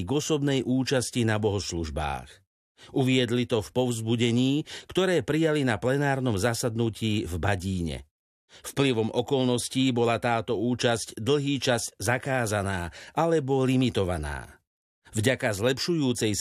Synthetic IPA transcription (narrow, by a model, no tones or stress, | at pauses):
ɡɔsɔbnɛjʔuːt͡ʃascinabɔɦɔsluʒba̰ːx | ʔuʋɪɛd̪lit̪ɔfpɔʊzbuɟɛɲiːkt̪ɔɾɛːpɾijalinaplɛnaːɾnɔmzasad̪nuciːvbaɟiːɲɛ̰ | fpliʋɔmʔɔkɔlnɔsciːbɔlat̪aːt̪ɔuːt͡ʃazcd̪l̩ɦiːt͡ʃazczakaːzanaːʔalɛbɔlimit̪ɔʋana̰ː | vɟakazlɛpʃujuːt͡sɛj